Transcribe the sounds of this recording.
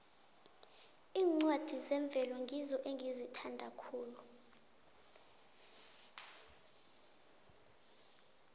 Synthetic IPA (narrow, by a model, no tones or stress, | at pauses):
iːŋ͡ǀwad̥ʱizɛɱb̪vʱɛlɔŋɡʱizɔʔeŋɡʱizitʰandʱakʰuːlu